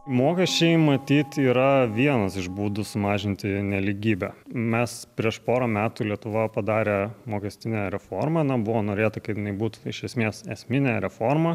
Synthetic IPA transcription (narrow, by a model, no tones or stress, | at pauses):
moːkʲɛsʲt͡ʃʲɛɪmɐt̪ʲiːt̪iːɾɐʋʲiɛnɐsɪʒbuːd̪ʊsʊmɑːʒʲɪnʲt̪ʲɪnʲɛlʲiɡʲiːbʲɛmʲɛspʲɾʲiɛʃpoːɾɐmʲæːt̪ʊlʲiɛt̪ʊʋɐpɐd̪ɑːɾʲeːmoːkʲɛsʲt̪ʲɪnʲɛɾʲɛfoːɾmɐɪnɐbʊʋoːnoːɾʲeːt̪ɐkɐtjɪnɐɪbuːt̪ʊɪʃʲɛsʲmʲeːsɛsʲmʲɪnʲɛɾʲɛfoːrmɐ